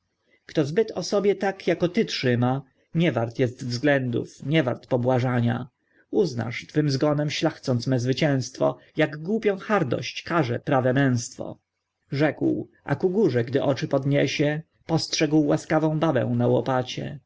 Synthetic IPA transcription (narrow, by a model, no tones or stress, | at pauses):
kt̪ɔzbɘt̪ɔsɔbʲjɛt̪akjakɔt̪ɘtʂɘma | ɲɛvaɾt̪jɛst̪vzɡlɛnd̪ṵfɲɛvaɾt̪pɔbwaʐaɲa̰ | uzna̰ʂt̪fɘmzɡɔnɛmɕlaxt̪sɔnt̪smɛzvɘt͡ɕɛ̃w̃st̪fɔ̰ | jaɡɡwupʲjɔ̃xaɾd̪ɔ̰ɕt͡ɕkaʐɛpɾavɛmɛ̃w̃st̪fɔ̰ | ʐɛkwʔa̰kuɡuʐɛɡd̪ɘʔɔt͡ʂɘpɔd̪ɲɛɕɛ | pɔstʂɛɡwːaskavɔ̃w̃bavɛ̰̃w̃nawɔpat͡ɕɛ̰